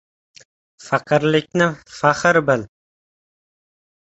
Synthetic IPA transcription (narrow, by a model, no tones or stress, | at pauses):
faqʰɨɾlɪkʲnɪfaχɨɾbɪl